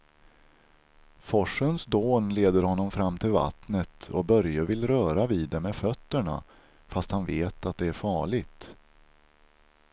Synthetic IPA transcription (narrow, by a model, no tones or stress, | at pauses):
fɔʂənsd̪oːnleːd̪əɾhɔnːɔmfɾamːt̪ʰɪlva̰t̪nət̪ʰɔbœɾjəvɪlɾœːɾaviːd̪ːɛmːɛfœt̪ːəɳa̰ | fast̪hanveːt̪at̪̚d̪ɛæɾfɑːɭɪɡt̪